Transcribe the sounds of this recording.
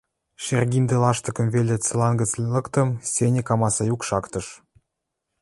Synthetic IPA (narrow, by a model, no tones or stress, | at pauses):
ʃerɡʲind̪elɑʃt̪ɤ̆kə̆mvelʲet͡sɤ̆lɑnɡət͡slɤ̆kt̪ə̆msʲenʲekɑmɑsɑjukʃɑkt̪ɤ̆ʃ